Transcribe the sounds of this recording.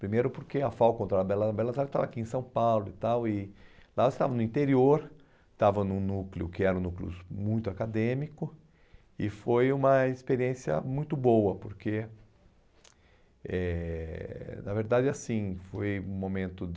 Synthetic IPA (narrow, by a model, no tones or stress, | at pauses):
pɾimejɾʊpoɾkeafawkõnt̪ɾaɐbɛlɐbɛlɐt̪aɾd͡ʒɪt̪avakiẽsɐ̃w̃pawlʊɪt̪awɪlaose̥t̪avɐnʊĩnt̪eɾioɾ | t̪avɐnʊ̃nuklɪʊkɪɛɾɐ̃ũnuklɪʊ̰zmũj̃t̪ʊakad̪ẽmikʊ | ɪfojũmɐɪspeɾiẽsjɐ̰mũj̃t̪ʊbowɐpoɾke | ɛ | nɐveɾd̪ad͡ʒɪasĩfojũmõmẽnt̪ʊ